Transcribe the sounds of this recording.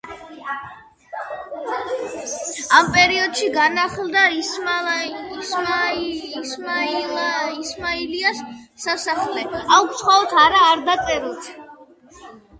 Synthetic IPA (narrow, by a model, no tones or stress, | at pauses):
ampʼɛɾiɔd̪ʃiɡanaχlˠd̪a | sm | ismailiasːasaχlɛakʰt̪sχaɔt̪ʰaɾaːɾd̪at̪sʼɛɾɛlˠt̪ʰ